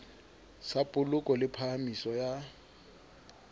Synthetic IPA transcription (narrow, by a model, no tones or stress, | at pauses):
sapʼʊlʊkʼɔlɪpʰahamisɔja